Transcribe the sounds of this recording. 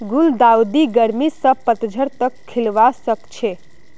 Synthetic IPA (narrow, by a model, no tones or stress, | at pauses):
ɡuld̪aud̪iɡəɾmisə̃pət̪d͡ʒʱəɾt̪əkʰːilʋasəkt͡ʃʰe